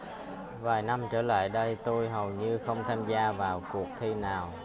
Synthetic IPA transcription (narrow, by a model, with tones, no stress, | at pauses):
vaː˨˩jna˧mt͡ɕəː˧˩la̰ː˧˨jɗə˧jt̪o˧jɦə˨˩wɲɨ˧xə˧wŋ͡mt̪ʰaː˧mzaː˧vaː˨˩wku˨˩ək̚t̪ʰi˧naː˨˩w